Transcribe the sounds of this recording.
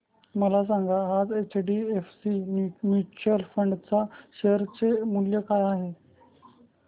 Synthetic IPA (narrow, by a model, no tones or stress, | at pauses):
məlas̬aŋɡaɦad͡zet͡ɕɖiefsinjumjut͡ɕəlfəɳɖt͡saɕeɾt͡semuljəkaɾaɦe